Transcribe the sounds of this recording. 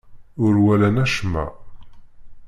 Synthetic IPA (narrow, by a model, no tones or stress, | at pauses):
ʊɾwælænæʃmæ̰